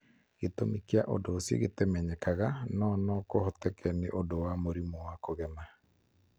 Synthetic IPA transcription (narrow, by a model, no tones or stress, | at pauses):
ɣetomikeaʔodoːsjḛɣetɛmɛɲɛkaɣanɔnɔkohɔtɛkʰɛneʔodowamoɾimɔwakoɣɛma